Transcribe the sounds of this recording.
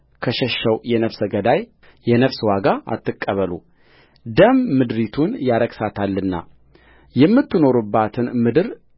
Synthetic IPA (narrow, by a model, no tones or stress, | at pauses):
kʰəʃɛʃːəwjɛnəfsəɡəd̪aj | jɛnəfswaɡaa̰t̪ʰːɨkʼːəβəlṵ | d̪əmːɨd̪ɾit̪ʰunjaɾəɡsat̪ʰalːɨnːa̰ | jɛmːɨt̪ːɨno̞ɾubːat̪ʰɨnmɨd̪ɨɾ